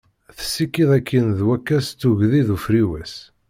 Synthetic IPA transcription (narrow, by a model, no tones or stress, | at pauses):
θə̥sːikːiðˤækʰːinðwækːæst͡s̪ːuʝðiðufɾiwæs